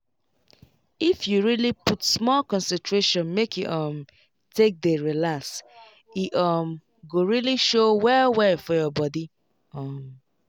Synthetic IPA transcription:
ifjuɹiliputsmɔlkɔ̃nsɛ̃ntʰɹeʃɔ̃nmekʰjuʔʌm | tek̚deɹilaks | iʔʌm | ɡoɹiliʃowɛwɛfɔjɔbɔdi | ʌm

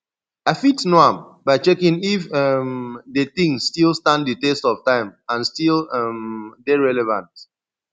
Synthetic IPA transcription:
aɪfitnoãm | baɪt͡ʃɛkĩnifɛmdet̪ĩŋːtilstãnditestɔftãɪ̃mãnstilɛmdeɹɛlɛvã̰nt

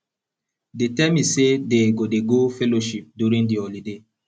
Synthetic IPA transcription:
detɛmisedeɡodeɡofɛloʃip̚djuɾĩŋdiɔlide

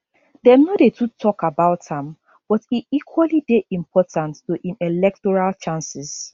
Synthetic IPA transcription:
dɛnɔdetʰutʰɔkabaʊthãm | b̥ɔtitikʰwalideʔĩmpʰɔtʰãntːoʔĩnɛlɛk̚tɔɹalt͡ʃãnsis

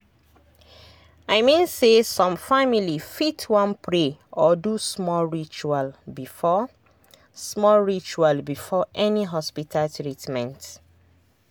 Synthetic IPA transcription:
aɪmĩnsesɔ̃mfamilifitʰwɔ̃npʰɹeɔdusmɔlɹit͡ʃualbifɔ | smɔlɹit͡ʃualbifɔʔɛniɦɔspitʰaltɹitmɛ̃nt

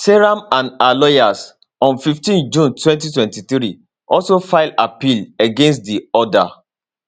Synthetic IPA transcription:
seɹãmãnalɔjas | ɔ̃nfiftĩnd͡ʒũntwɛ̃ntitwɛ̃ntiθɾi | ʔɔlsofaɪlapileɡẽns̬t̚diɔda

